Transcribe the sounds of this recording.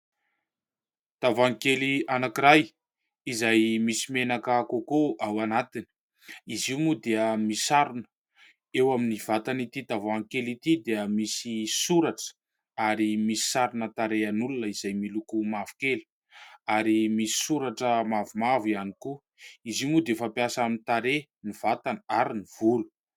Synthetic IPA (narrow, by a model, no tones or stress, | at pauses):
t̪avaŋkelianakiɾaj | izajmisimenakakokoʔawanat̪ini̥ | iziumud̪eəmisaɾunə̥ | ewaminiv̥at̪anit̪it̪avaŋkelit̪id̪eəmisisuɾaʈ͡ʂə̥ | aɾimisi̥saɾunət̪aɾeanulunəizajmilukumavu̥keli̥ | aɾimisi̥suɾaʈ͡ʂəmavumavianiku | iziumud̪efapiasaminit̪aɾe | niv̥at̪anəaɾiniv̥ulu̥